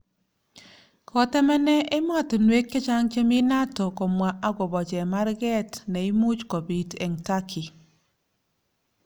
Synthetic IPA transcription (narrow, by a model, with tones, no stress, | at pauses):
kʰɔ˨tɛ˦mɛ˦nɛ˦ʔɪ˦m˦a˦˨tɔ˨nwe˦kːe˦t͡ʃa˦ŋt͡ʃe˦mi˦na˦tɔ˨kɔ˨mwa˨ʔa˦ɡɔ˨bɔ˨t͡ʃɛ˨ma˦ɾɡɛ˦tnɛ˨i˦mu˦t͡ʃkɔ˨bi˨tɛ˨ŋta˦kʰi˨